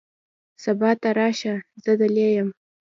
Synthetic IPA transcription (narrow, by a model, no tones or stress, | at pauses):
sabɑt̪aɾɑʃazəd̪alejəm